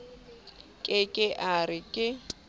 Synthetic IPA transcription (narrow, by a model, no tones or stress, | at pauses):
kʼɪkʼɪʔarɪkʼɪ